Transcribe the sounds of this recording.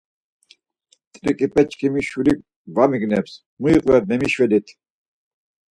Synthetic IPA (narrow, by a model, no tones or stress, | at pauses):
t̪ʼɾikʼipʼɛt͡ʃʼkʰʼimiʃwili | vamiɡnɛps | muiqʼlɛbnɛmiʃwɛlit̪ʰ